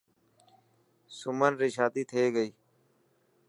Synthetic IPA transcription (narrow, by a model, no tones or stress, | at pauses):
sʊmənɾeːʃaːd̪iːt̪ʰeːɡəiː